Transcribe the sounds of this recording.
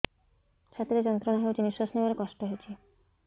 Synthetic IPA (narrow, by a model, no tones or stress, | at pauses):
t͡ɕʰat̪ɾed͡ʑɔnt̪ɾɔnaɦewd͡ʑiniswasnibaɾekɔʃʈɔɦejt͡ɕʰi